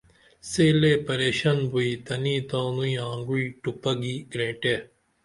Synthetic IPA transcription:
seːlepɐɾeːɕɐnbuit̪ɐniːt̪ãːnũĩãːŋɡuiʈupɐɡiɡɾẽːʈe

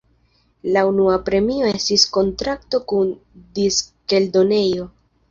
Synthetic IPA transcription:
launuapɾe̞mio̞e̞stisko̞ntɾakto̞kundiske̞ldo̞ne̞jo̞

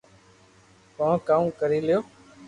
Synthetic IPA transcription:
pãːkaːũːkəɾiːlɪjoː

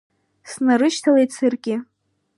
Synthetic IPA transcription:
snaɾɨʃtʰalejt͡sʰɨrɡʲʼɪ

